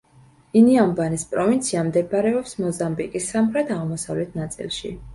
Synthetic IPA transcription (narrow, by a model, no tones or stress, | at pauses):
iniambanispʼɾɔvint̪sʰiamd̪ɛbaɾɛɔpsmɔzambikʼisːamχɾɛt̪ʰaʁmɔsavlɛt̪ʰnat̪sʼḭlˠʃḭ